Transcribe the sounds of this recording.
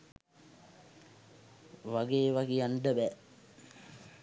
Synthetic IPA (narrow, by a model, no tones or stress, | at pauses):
ʋaɡeːʋaɡeaɳɖəbæ